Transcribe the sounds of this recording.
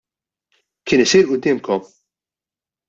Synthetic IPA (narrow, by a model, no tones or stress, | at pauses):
kɪːnɪsiːɾʔʊd̪ːɪːmkɔm